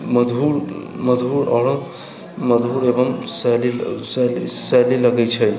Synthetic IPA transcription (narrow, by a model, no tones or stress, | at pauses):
məd̪ʱuɾməd̪ʱuɾɔɾ | məd̪ʱuɾebəmsɛlisɛlsɛliləɡɛjt͡ʃʰəj